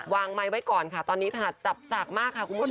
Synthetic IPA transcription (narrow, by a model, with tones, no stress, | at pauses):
waː˧ŋma˦˥jwa˦˥jkɔː˨˩nkʰa˦˥˩t̪ɔː˧nːiː˦˥t̪ʰa˧na˨˧˩t̪̚t͡ɕa˨˩p̚saː˨˩k̚maː˥˩kʰːa˧˩kʰu˧nmu˦˥˩